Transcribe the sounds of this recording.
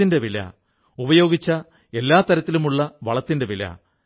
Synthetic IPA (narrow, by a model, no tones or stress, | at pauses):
inde̞ʋilɐ̰ | ubɐjo̞ːɡit͡ɕːɐ | e̞lːaːt̪ɐɾɐt̪ːilumuɭːɐʋɐɭɐt̪ːinde̞ʋilɐ̰